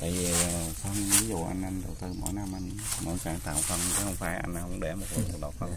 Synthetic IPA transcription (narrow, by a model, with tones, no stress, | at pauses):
t̪a̰ː˧˨jvi˨˩˨fə˧nvi˨˦zṵ˧˨ʔa˧jŋʔa˧jŋ̟ɗə˨˩wt̪ɨ˧mo̰˧˥˦jna˧mʔa˧jŋ˦mo̰˧˩˦saː˧˩ŋt̪a̰ː˧˨˩wfə˧nt͡ɕa˨˦hə˧wŋ͡mfaː˧˩jʔa˧jŋ̟hə˧wŋ͡mɗe˧˩mo˨˩t̚ləː˨˩ə˨˩k̚ɗa˨˩wfə˧ŋ